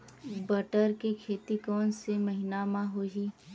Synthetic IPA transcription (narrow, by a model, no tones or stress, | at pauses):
bɐʈəɾkekʰeːt̪ikɔːnsemɐɦɪnamãɦoːɦiː